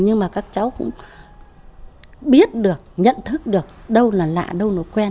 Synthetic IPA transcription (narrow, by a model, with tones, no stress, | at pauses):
ɲɨ˧ŋmaː˨˩kaː˦˥k̚t͡ɕa˨˦wkʊ̰˧˥ŋ͡m | ɓi˦˥ət̚ɗɨ˨˩ək̚ɲə̰˧˨nt̪ʰɨ˦˥k̚ɗɨ˨˩ək̚ɗə˧wlaː˨˩la̰ː˧˨ɗə˧wno̰˧˦˥kwɛ˧n